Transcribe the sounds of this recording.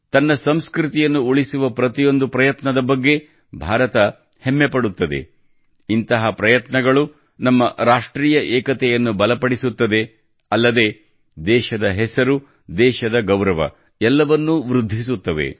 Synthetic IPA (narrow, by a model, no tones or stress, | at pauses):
t̪ɐnːɐsɐmskɾit̪ijɐnːuoɭisuʋɐpɾɐt̪ijo̞nd̪upɾɐjɐt̪nɐd̪ɐbɐɡːe̞ | bʱaːɾɐt̪ɐ | hemːepɐɽut̪ːɐd̪e̞̰ | int̪ɐɦɐpɾɐjɐt̪nɐɡɐɭu | nɐmːɐɾaːʂʈɾiːjɐʔɛːkɐt̪ɛjɐnːubɐlɐpɐɽisut̪ːɐd̪e̞ | ɐlːɐd̪e̞ | d̪ɛːʃɐd̪ɐɦɛsɐɾu | d̪ɛːʃɐd̪ɐɡɐwɾɐʋɐ̰ | ɛlːɐʋɐnːuʋɾud̪ʱːis̬ut̪ːɐʋḛ